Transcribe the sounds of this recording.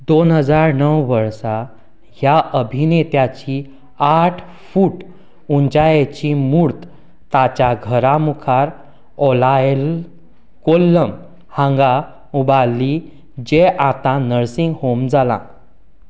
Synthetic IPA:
d̪onɦəd͡zaɾnəwʋəɾsa | ɦjaʔəbʱinet̪jat͡ɕi | aʈʰ | fuːʈ | uɲt͡ɕajet͡ɕimuɾt̪ | t̪at͡ɕaɡʱəɾamukʰaɾ | ɔlal | kolːəm | hãŋɡa | ubali | d͡ʑeʔat̪ãnəɾsĩŋɡhomd͡zalã̰

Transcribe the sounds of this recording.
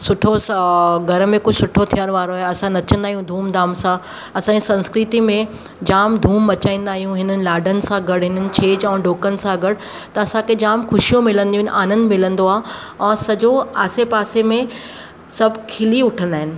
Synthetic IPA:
sʊʈʰoɡʱɐɾmẽkʊd͡ʑʱsʊʈʰot̪ʰijəɾʋaːɾoaɦeɐsãnɐt͡ɕə̃nd̪aːɦijũd̪ʱuːmd̪aːmsã | ɐsãːɲd͡ʑisɐ̃nskɾɪt̪imẽ | d͡ʑaːmd̪ʱuːmbɐt͡ɕaːĩːn̆d̪aːɦijũɦɪnənɪlaːɖʱənɪ̆sãɡɐɽɦɪnənɪ̆t͡ɕʰeːd͡ʑɛ̃ːɖoːkənɪ̆sãɡɐɽ | t̪ɐɐsãkʰed͡ʑaːmxʊʃijõmɪlə̃nd̪iũnʔaːnənɪ̆mɪlə̃nd̪oaːɦ | ɛ̃ːsɐd͡ʑoaːsepaːsemẽ | sɐbʱkʰɪliʊʈʰə̃nd̪aːɦɪnɪ̆

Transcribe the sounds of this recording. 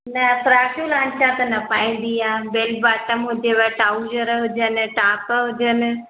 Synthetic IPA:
nɐfʊɾaːʃuːlãːnt͡ʃʰãːt̪ɐnɐpaːĩːnd̪iãːbeːlbaːʈəmɦʊd͡ʑeʋəʈaːʊd͡ʒəɾɦʊd͡ʑənɪ̆ʈaːpɦʊd͡ʑənɪ̆

